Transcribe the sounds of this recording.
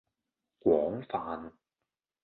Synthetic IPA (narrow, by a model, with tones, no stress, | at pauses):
kʷwɔː˨˥ŋfaː˨n